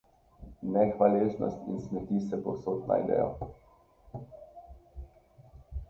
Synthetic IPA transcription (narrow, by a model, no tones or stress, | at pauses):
nɛxʋaleːznɔ̰st̪insmɛt̪iːsɛpɔwsoːt̪na̰id̪ɛ̰jɔ̰